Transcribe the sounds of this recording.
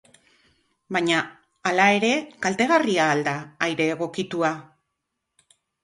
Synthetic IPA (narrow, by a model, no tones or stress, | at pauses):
baɲaː | lae̞ɾe̞kalt̪e̞ɣ̞ariaːld̪aːjɾe̞ːɣo̞kit̪ua